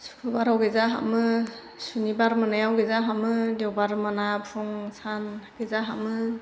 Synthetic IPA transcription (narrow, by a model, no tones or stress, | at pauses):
su̥pʰɯbaɾawɡezaɦa̰mɯ | sunibaɾmɯnajawɡezaɦamɯdewbaɾmanapʰuŋsanɡ̥ezaɦamɯ